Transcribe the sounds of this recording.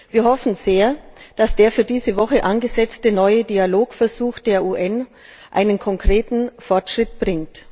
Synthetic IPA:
viːɐhɔfn̩z̥eːɐd̥asd̥eːɐfyːɐdiːzəvɔχəʔanɡəzɛt͡stənɔʏədiːaloːkfɛɐzuːxd̥eːɐʔuːʔɛn | ʔa̰ɪnənkʰɔŋkʁ̥eːtn̩fɔɐtʃʁ̥ɪt̚b̥ʁɪŋt

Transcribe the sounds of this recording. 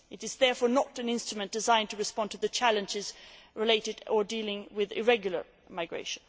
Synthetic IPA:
ɨɾɨzðɛɹfɔːɹnəɾɨ̃nɪ̃nstɹ̥ɨmɨ̃nd̥ɨzãɪ̃ntʰəɹɨspɑ̃ntʰɨðɨt͡ʃʰælˠɨ̃nd͡ʒɪzɹɪleɪɾɨɾə˞dilˠɪ̃ŋwɪðɪ̰ɹɛɡjl̩ˠə̰˞ | maɪɡɹḛɪʃɨ̃n

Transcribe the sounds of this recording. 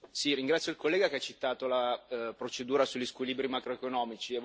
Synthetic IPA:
siriŋɡɾat̪sjoilkolːeːɡakeat͡ʃːit̪aːt̪olapɾot͡ʃed̪uːɾasuʎːiskwiliːbɾimakɾoekonɔːmit͡ʃiev

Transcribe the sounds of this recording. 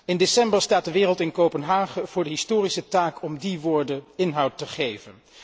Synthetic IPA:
ɪndesɛmbəɹstaːt̚dəʋɪːrəlˠtɪnkowpənɦaːχəv̥ʊːɹdəɦɪstoːrisətaːkɔmdiʋʊːɹdəɪnɦɑwtːəχejvən

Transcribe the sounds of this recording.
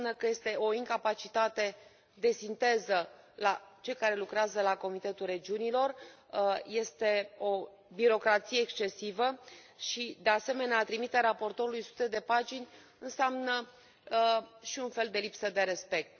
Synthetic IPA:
nəkəje̞st̪e̞o̞iŋkapat͡ʃit̪at̪e̞ | d̪e̞sint̪e̞zə | lat͡ʃe̞ljkaɾe̞lukɾeazəlako̞mit̪e̞t̪ulre̞d͡ʒiunilo̞r | je̞st̪e̞o̞ | biɾo̞kɾat̪sije̞ːkst͡ʃe̞sivə | ʃid̪e̞ase̞me̞neat̪ɾimit̪eaɾapo̞rt̪o̞ɾulujsu̥t̪e̞d̪e̞pat͡ʃinʲ | ɨnseamnə | ʃiunfe̞ld̪e̞lipsəd̪e̞ɾe̞spe̞k̚t̪̚

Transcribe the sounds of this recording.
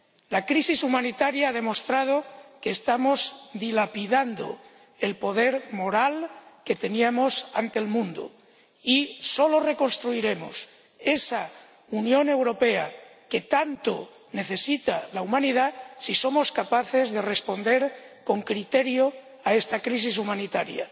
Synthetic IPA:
lakɾisisumãnit̪aɾjaað̞e̞mo̞st̪ɾað̞o̞keːst̪amo̞zd̪ilapiðand̪o̰ | e̞lpo̞ðe̞ɾmo̞ɾalke̞t̪e̞niamo̞sant̪e̞lmũnd̪o̰ | iso̞lo̞re̞ko̞nst̪ɾuiɾe̞mo̞̰s | e̞sa | unjõ̞ne̞wɾo̞pe̞ake̞t̪ant̪o̰ | ne̞θe̞sit̪alaumãniðasiso̞moskapaθe̞zðe̞re̞spo̞nd̪e̞ɾko̞ŋkɾit̪e̞ɾjo | ae̞st̪akɾis̬is̬umãnit̪aɾja̰

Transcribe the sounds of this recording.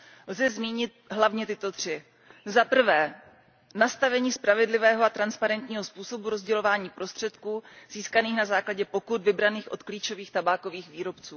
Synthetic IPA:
lzɛzmiːɲɪt̪̚ɦlavɲɛt̪ɪt̪o̞t̪r̝̥ɪ | zapr̩vɛː | nast̪avɛɲiːspɾavɛdlɪvɛːɦoat̪ɾanspaɾɛnt̪ɲiːɦo̞spuːso̞buɾo̞zɟɛlo̞vaːɲiːpɾo̞st̪r̥ɛt̪kuːz̥iːskaniːxnazaːklaɟɛpo̞kud̪vɪbɾaniːxʔo̞̰t̪kliːt͡ʃo̞viːxt̪abaːko̞viːxviːɾo̞pt͡suː

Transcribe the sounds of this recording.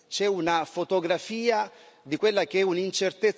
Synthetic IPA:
t͡ʃɛunafot̪oɡɾafiːad̪ikwelːak̟eɛunint͡ʃert̪et̪

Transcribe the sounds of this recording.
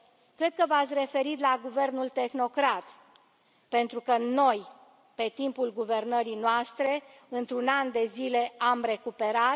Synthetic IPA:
kɾe̞d̪̚kəvat̪sʲre̞fe̞ɾit̪laɡuve̞rnult̪e̞xno̞kɾat̪ | pe̞nt̪ɾukəno̞j | pe̞t̪impulɡuve̞rnəɾijnoast̪ɾe̞ | ɨnt̪ɾunand̪e̞zile̞amre̞kupe̞ɾat̪

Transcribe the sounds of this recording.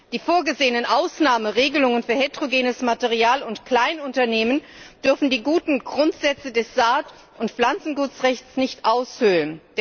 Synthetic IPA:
d̥iːfoːɐɡəzeːənənʔaʊsnaːməʁeːɡəlʊŋənfyːɐhetʁ̥oɡeːnəsmateʁiaːlʊntkl̥aɪnʊntɐneːmənd̥ʏɐfn̩diːɡuːtn̩ɡʁʊntz̥ɛt͡sədɛsz̥aːt | ʔʊntpp͡flant͡sn̩ɡuːtt͡sʁɛçt͡snɪçtʔaʊshʏlənd̥

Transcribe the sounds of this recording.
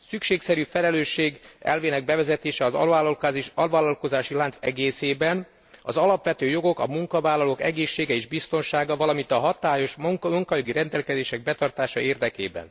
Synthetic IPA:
sykʃeːksɛɾyːfɛlɛløːʃːeːɡɛ̰lveːnɛɡ̚bɛvɛzɛt̪eːʃɛɒzɒalɒlvaːlɒlko̞zaːʃilaːnt̪sɛɡeːseːbɛn | ɒ̰zɒlɒpʋɛt̪øːjo̞ɡo̞kɒ̰muŋkɒvaːlɒloːkɛ̰ɡeːʃːeːɡɛeːʒbist̪o̞nʃaːɡɒvɒlɒmint̪ɒɦɒt̪aːjo̞ʃŋmuŋkɒjo̞ɡiɾɛnd̪ɛlkɛzeːʃɛɡ̚bɛt̪ɒrt̪aːʃɒeːrd̪ɛkḛːbɛ̰n

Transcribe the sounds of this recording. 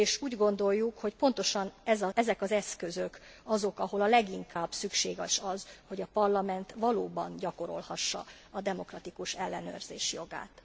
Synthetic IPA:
eːʃuːɟɡo̞nd̪o̞jːukho̞cpo̞nt̪o̞ʃɒnɛzɒɛzɛkɒzɛskø̞zøkɒzo̞kɒɦo̞lɒlɛɡiŋkʰaːb̥sykʃeːɡɛʃɒzho̞ɟɒpɒrlɒmɛnt̪ʋɒloːbɒnɟɒko̞ɾo̞̰lhɒʃːɒ̰ | ɒd̪ɛmo̞krɒt̪ikuʃɛlːɛnø̰ːrzeːʃjo̞ɡa̰ːt̪

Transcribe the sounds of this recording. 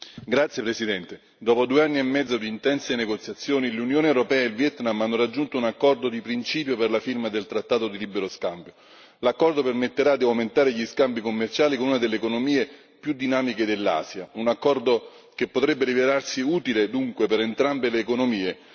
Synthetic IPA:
ɡɾat̪sːjepɾesid̪ɛnt̪e | d̪ɔːpod̪ueanːiemːɛd̪zːod̪iːnt̪ɛnseneɡot̪sːjat̪sːjoːnilunjoːnewɾopɛːaelvjɛt̪namanːoɾad͡ʒːunt̪ounakːɔrd̪od̪ipɾint͡ʃiːpjoperlafirmad̪elt̪ɾat̪ːaːt̪od̪ilibeɾoskambjo | lakːɔrd̪opermet̪ːeɾad̪iawment̪aːɾeʎiskambikomːert͡ʃaːlikonunad̪elːeːkonomiːe | pjud̪ːinaːmiked̪elːa̰ːsjaunakːɔrd̪o | kepːot̪ɾɛbːeɾivelarsiuːt̪iled̪uŋkwepeɾent̪ɾambeleːkonomiːe

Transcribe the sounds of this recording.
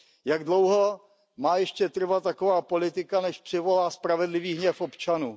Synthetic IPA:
jaɡdlowɦo | maːjɛʃcɛt̪r̩vat̪ːakovaːpolɪt̪ɪkanɛʃpr̥ɪvo̞laːspɾavɛdlɪviːɦɲɛfo̞pt͡ʃanuː

